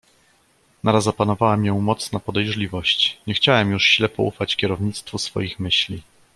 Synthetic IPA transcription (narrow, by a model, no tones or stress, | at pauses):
naɾazapanɔvawɛmjɔ̃w̃mɔt̪snapɔd̪ɛjʐlʲivɔɕt͡ɕɲɛxt͡ɕawɛmjuʂɕlɛpɔʔṵfat͡ɕkʲɛɾɔvɲit̪st̪fusfɔ̰jixmɘɕlʲi